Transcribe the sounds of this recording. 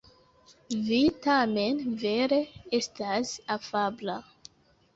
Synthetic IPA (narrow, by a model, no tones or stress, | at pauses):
vitame̞nve̞ɾe̞e̞stasafabla